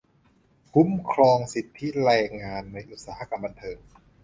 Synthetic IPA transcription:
kʰu˦˥mkʰɾɔː˧ŋsi˨˩t̪ʰːi˦˥ɾɛː˧ŋaː˧nːa˧jʔu˨˩t̪̚saː˧˦˩a˦˧˩ka˧mba˧nt̪ʰɤː˧ŋ

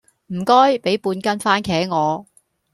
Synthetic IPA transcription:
m̩˨˩kɔː˥jpe˨˥jpuː˧nkɐ˥nfaː˥nkʰɛː˨˥ŋɔː˨˧

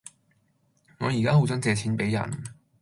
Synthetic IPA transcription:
ŋɔː˨˧jiː˨kaː˥ɦo˨˥wt͡sɐ˨˥nt͡sɛː˧t͡sʰiː˨˥npe˨˥jɐ̰˨˩n

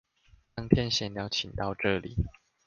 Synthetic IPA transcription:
t̪ɑ˥˦ŋt̪ʰjɛ˥˦nɕjɛ˨˩njɑ˥˩ʊt͡ɕʰi˨˩ŋt̪ɑ˥˧ʊʈ͡ʂɤ˥˨lḭ˨˩˦

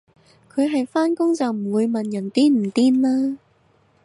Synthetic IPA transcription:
kʰɵ˨˧ɥɦɐ˨jfaː˥nkʊ˥ŋt͡sɐ˨wm̩˨˩wuː˨˧jmɐ˨njɐ˨˩nt̪iː˥nm̩˨˩t̪iː˥nlaː˥

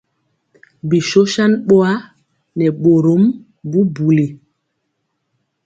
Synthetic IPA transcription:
bi˨ʃo˦ʃa˦nɓo˦a˦ | nɛ˨ɓo˨ɾo˦m | bu˦bu˨li˨

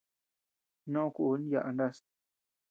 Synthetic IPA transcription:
nõ˦õ˦ku˧ʔːnĩ˦ja̰˧ʔa˧nd̪a˦s

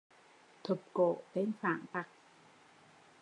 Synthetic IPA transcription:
t̪ʰɨ˨˩p̚ko̰˧˩˨t̪e˧nfaː˧˩˨ŋt̪a˨˩k̚

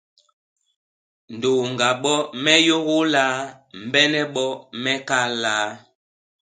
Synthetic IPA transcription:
n̩˨do˨ŋɡa˨ɓɔ˦mɛ˦jo˦ɣo˦laː˦ | m̩˨bɛ˦nɛ˦ɓɔ˦mɛ˦ka˦laː˨˦

